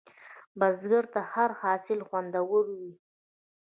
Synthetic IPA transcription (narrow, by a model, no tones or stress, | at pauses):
bazɡəɾt̪ahaɾhɑsɪlxwand̪awəlwi